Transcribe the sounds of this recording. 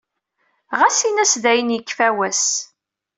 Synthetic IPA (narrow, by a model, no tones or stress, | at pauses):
ʁæsinæsðæjənjəkːfæwæs